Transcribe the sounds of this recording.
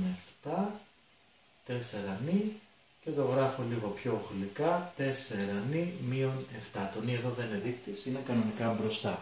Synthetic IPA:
eft̪ɐ | t̪e̞se̞ɾɐni | ce̞t̪o̞ɣɾɐfo̞liɣo̞pço̞ːxlikɐt̪e̞se̞ɾɐnimio̞ne̞ft̪ɐt̪o̞nieðo̞ðeneðikt̪isinekɐno̞nikɐbɾo̞st̪ɐ

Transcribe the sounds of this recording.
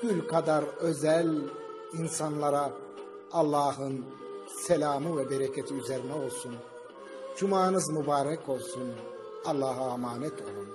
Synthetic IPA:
ɡ̥ylʲkʰad̪aɾø̞zælʲ | insanlˠaɾaː | lˠːɑːhɯn | sɛlʲaːmɯvɛbeɾɛcʰet̪ʰiyzeɾinɛo̞lˠsun | d͡ʒumaːnɯzmubaːɾɛkʰo̞lˠsun | ɑlˠːɑːɦaːmaːnɛt̪ʰo̞lˠun

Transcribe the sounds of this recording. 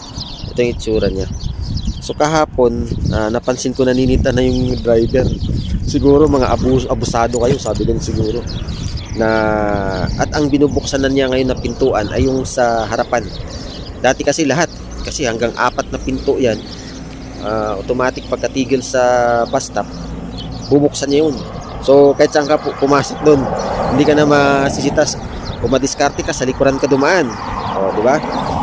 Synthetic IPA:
ʔɛt̪ojŋɪt͡ʃːuːɾɐɲa | so̞kɐɦaːpo̞nʔanɐpɐnsɪnkonɐniniːt̪anɐjʊŋd̪ɾajbɛɾsɪɡuːɾo̞mɐŋa̰ʔɐbuːsʔɐbʊsaːd̪o̞kɐjo̞saːbɪd̪ɪnsɪɡuːɾo̞nɐ | ʔɐt̪ɐŋbɪnuːbʊk̚sanɐnjaŋɐjo̞nːɐpɪnt̪uːʔɐnʔɐ̰jːʊŋsɐɦɐɾɐpan | d̪aːt̪ɪkɐsɛlɐɦat̪̚ | kɐsɛhɐŋɡaŋʔa̰ːpɐt̪̚nɐpɪnt̪oʔjan | ʔaʔot̪omaːt̪ɪk̚pɐɡ̚kɐt̪iːɡɪlsɐbast̪ap̚ | bubʊk̚sanːajon | so̞kɐɪt̪saʔaŋkapʊmaːsok̚d̪onhɪnd̪ikɐnamɐsɪsɪt̪as | ʔomɐd̪ɪskaɾt̪ɛkasɐlɪkʊɾankɐd̪ʊmaʔan | ʔo̞d̪ɪba

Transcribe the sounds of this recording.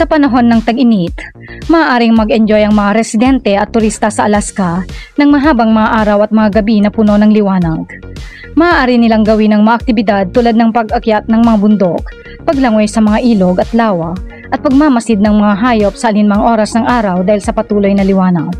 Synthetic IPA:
sɐpɐnɐɦo̞nːɐŋt̪ɐɡʔɪnit̪ | mɐʔːʔaːɾɪŋmɐɡɛnd͡ʒojʔɐŋmɐŋaɾɛsɪd̪ɛnt̪ɛʔɐt̪ːʊɾist̪ɐsɐʔɐlaskanɐŋmɐɦaːbɐŋmɐŋaʔaːɾɐwɐt̪̚mɐŋaɡɐbinɐpuno̞nɐŋlɪwaːnɐɡ | mɐʔaːʔaːɾɪnɪlaŋɡɐwɪnɐŋmɐŋaʔːk̚t̪ɪbɪd̪ad̪̚t̪uːlad̪̚nɐŋpɐɡʔɐkjat̪̚nɐŋmɐŋabʊnd̪o̞k̚ | pɐɡlɐŋojsɐmɐŋaʔiːloɡɐt̪laːwɐ | ʔɐt̪̚pɐɡ̚mamɐsɪd̪̚nɐŋmɐŋaɦaːjo̞p̚sɐʔɐlɪnmɐŋʔo̞ːɾɐsnɐŋʔaːɾɐwd̪aːhɪlsɐpɐt̪uːlo̞jnɐlɪwaːnɐɡ̚

